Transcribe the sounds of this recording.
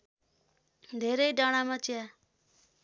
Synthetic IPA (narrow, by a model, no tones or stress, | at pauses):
d̪ʱeɾʌjɖʌɽ̃amat͡sja